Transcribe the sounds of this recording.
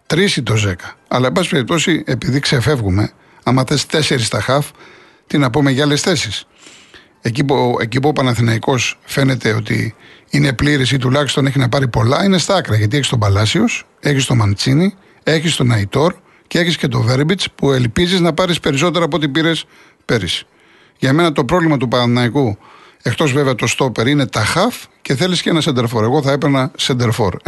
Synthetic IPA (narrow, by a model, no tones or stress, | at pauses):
t̪ɾisit̪o̞ze̞kɐ̥ɐlɐebɐsipe̞ɾip̚t̪o̞sie̞piðikse̞fe̞vɣume̞ | ɐmɐθest̪e̞se̞ɾist̪ɐxɐf | t̪inɐpumeʝɐlesθe̞sis | ecipuḛcipuopɐnɐθinɐiko̞sfe̞ne̞t̪e̞o̞t̪ḭine̞pliɾis̬it̪ulɐçist̪o̞neçinɐpɐɾipo̞lɐine̞st̪ɐkɾɐʝɐt̪ieçist̪obɐlɐsio̞s | e̞çist̪o̞mɐnt͡sini | e̞çist̪o̞nɐit̪o̞ɾ | ceeçisce̞t̪o̞ve̞ɾbit͡spuelpiziznɐpɐɾispe̞ɾis̬o̞t̪e̞ɾɐːpot̪̬ipiɾe̞s | pe̞ɾis | ʝɐme̞nɐt̪o̞pɾo̞vlimɐt̪upɐɐθinɐiku | e̞kt̪o̞zve̞veɐt̪o̞st̪o̞peɾine̞t̪ɐxɐfce̞θe̞liscenɐsend̪e̞ɾfo̞ɾe̞ɣo̞θɐepeɾnɐsend̪e̞ɾfo̞̰ɾ